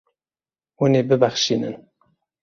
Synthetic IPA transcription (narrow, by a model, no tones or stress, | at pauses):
wuneːbɨbæxʃiːnɨ̰n